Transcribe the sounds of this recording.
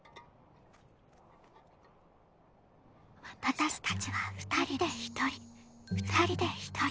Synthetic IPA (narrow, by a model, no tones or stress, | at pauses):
βat̪at̪aɕi̥t̪at͡ɕiβaɸɯ̟̥t̪aɾʲid̪eçi̥t̪oiɸɯ̟̥t̪aɾʲid̪e̞çi̥t̪ʰo